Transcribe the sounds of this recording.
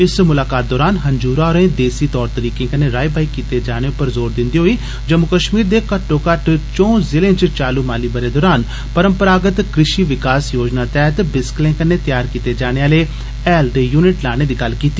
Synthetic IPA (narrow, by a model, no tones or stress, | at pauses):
ɪsmʊlaːkaːt̪̚d̪ɔːɾaːnɦəɲd͡ʒuːɾaːɔɾẽːd̪eːsiːt̪ɔːɾt̪əɾiːkẽːkəneːɾaːibʱaːikiːt̪ed͡ʒaːɽ̃eʊpəɾzoːɾd̪ɪ̃nd̪iːɦoiː | d͡ʒəmukəʃmiːɾd̪eːkəʈːõːkəʈt͡ʃɔ̃ːzɪlẽt͡ʃt͡ʃaːluːmaːliːbəɾeːd̪ɔːɾaːn | pəɾəmpəɾaːɡət̪kɾɪʃiːʋɪkaːsjoːd͡ʒnaːt̪ɛːɦət̪bɪsklẽːkəneːt̪jaːɾkiːt̪ed͡ʒaːɽ̃eːaːleː | ɛːlɖ̪ejuːnɪʈlaːɽ̃eːd̪iːɡɐlkiːt̪ːiː